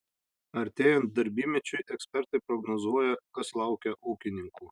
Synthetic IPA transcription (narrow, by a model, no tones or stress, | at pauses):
ɐɾʲt̪ʲeːjɛnt̪̚d̪ɐɾʲbʲiːmʲɛt͡ʃʲʊɪʔɛksʲpʲɛɾt̪ɐɪpɾɔɡnɔzuɔjɛkɐslˠɑˑʊkʲɛʔɔʊkʲɪnʲɪŋkuː